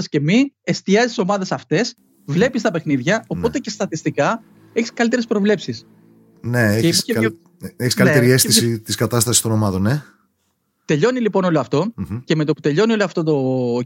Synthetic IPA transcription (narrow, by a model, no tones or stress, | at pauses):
ɐsce̞miest̪iɐzist̪i̥so̞mɐðe̞sɐft̪e̞s | vle̞pist̪ɐpexniðʝɐo̞po̞t̪ece̞st̪ɐt̪ist̪ikɐ | eçi̥skɐlit̪eɾespɾo̞vle̞psis | neeise | eçiskɐlt̪eɾiesθisit̪iskɐt̪ɐst̪ɐsist̪o̞no̞mɐðo̞ne | t̪e̞ʎo̞nilipo̞no̞loɐft̪o̞ceme̞t̪oput̪e̞ʎo̞nio̞loɐft̪o̞t̪o̞